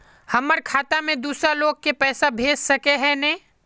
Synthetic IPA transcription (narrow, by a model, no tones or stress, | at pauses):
hɐməɾkʰaːt̪amẽd̪uːsɾaloːɡ̚kepɛːsabʱeːd͡ʒsɐkeɦɛ̃nẽː